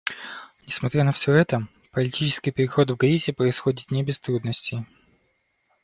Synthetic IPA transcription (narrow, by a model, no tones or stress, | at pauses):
nʲɪsmɐt̪ɾʲanəfsʲo̞ɛt̪ə | pəlʲɪtʲit͡ɕɪskʲɪjpʲɪɾʲɪxo̞t̪vɡɾʲitʲɪpɾəɪsxo̞dʲɪt̪nʲɪbʲɪst̪ɾud̪nəsʲtʲɪj